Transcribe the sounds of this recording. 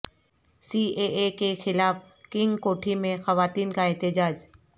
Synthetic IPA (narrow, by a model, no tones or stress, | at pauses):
siːeʔekexɪlaːf | kɪ̃ŋɡkoːʈʰimẽxɐʋaːt̪iːnkaɛɦt̪ɪd͡ʒaːd͡ʒ